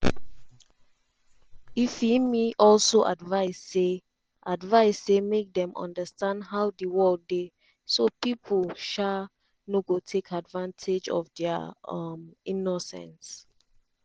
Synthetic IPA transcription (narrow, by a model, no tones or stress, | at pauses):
ifimiʔɔlsoʔadvaɪse | ʔadvaɪsːemek̚dɛ̃mɔ̰̃ndəstãndɦaʊdiwɔlde | sopipʰəlʃa | noɡotʰekʰadvãntʰed͡ʒɔ̰fdɛəminosɛ̰̃ns